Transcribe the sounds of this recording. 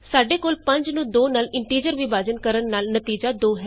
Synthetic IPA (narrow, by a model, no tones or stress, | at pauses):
saːɖeːkoːlpə̃ɲd͡ʒnũːd̪oːnaːlɪɳʈiːd͡ʒəɾʋɪbaːd͡ʒənkəɾənːaːlnət̪iːd͡ʒaːd̪oːɦɛː